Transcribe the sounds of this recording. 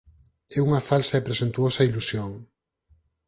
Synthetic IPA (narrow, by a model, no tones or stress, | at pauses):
ɛuŋɐfalsɐepɾesent̪uosɐilusjoŋ